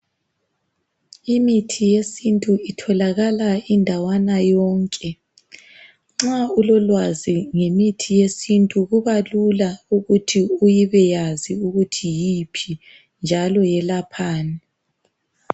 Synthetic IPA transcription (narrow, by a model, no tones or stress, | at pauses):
imitʰijesintʼuitʰɔlaɣalaindʱawanajɔːŋkʼɛ | ŋ͡ǁaulɔlwaziŋemitʰijesintʼuɣuβalulauɣutʰiujiβɛjaziuɣutʰijipʰi | nd͡ʒʱalɔjɛlapʰaːnɛ